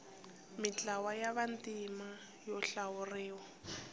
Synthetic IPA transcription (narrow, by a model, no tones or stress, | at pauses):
mɪt͡ɬʼawajaβantʼima | jɔɬawʊrɪːwɔ